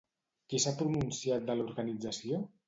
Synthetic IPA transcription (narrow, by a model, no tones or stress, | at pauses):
kisapɾununsiat̪̚d̪əluɾɣənid͡zəsio